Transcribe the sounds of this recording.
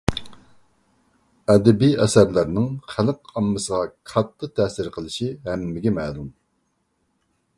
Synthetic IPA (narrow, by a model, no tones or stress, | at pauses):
ɛd̪ɛbijɛsæɾlæɾnɨŋχæləqɑmːɨsəʁɑkʰɑt̪ʰːət̪ʰɛsɪɾqʰəlˠɨʃihɛmːɪɡʲɛmɛlˠum